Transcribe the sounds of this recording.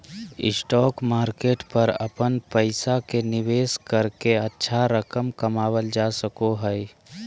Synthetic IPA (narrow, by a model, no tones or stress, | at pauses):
ɪ̰sʈɔːkmaːɾkeːʈpəɾə̰pənpəɪsakenɪʋeːskəɾkeətːʃʰaɾəkəmkəmaːwəld͡ʒasəkoɦəj